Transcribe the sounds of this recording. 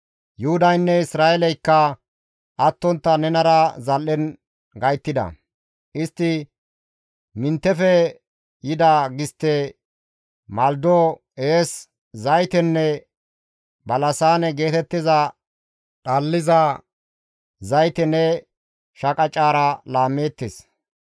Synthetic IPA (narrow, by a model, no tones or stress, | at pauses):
jʊhʊd̪ɐjnːɛɪsɾaːɛlɛjkːɐ | ʔɐt̪ːɔnt̪ːɐnɛnɐɾɐzɐlːɛn | ɡɐjt̪ːɪd̪ɐ̰ | ʔɪst̪ːɪ | mɪnt̪ːɛfɛ | jɪd̪aɡɪst̪ːɛ | mɐld̪oː | eːs | zɐjt̪ɛnːɛ | bɐlɐsaːnɛɡe̞ːt̪ɛt̪ːɪzɐ | ᶑɐlːɪzɐ | zɐjt̪ɛnɛ | ʃɐkʼɐt͡ʃʼːaːɾɐlaːmːeːt̪ːes